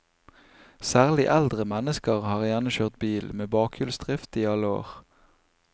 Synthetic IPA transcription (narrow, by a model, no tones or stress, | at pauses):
sæːʁlɪʔæld̪ʁəmɛnəskəʁhɑːʁjænəʃøːʁt̪̚biːlmeːbɑːkʰʏlsd̪ʁɪft̪iːɑləo̰ːʁ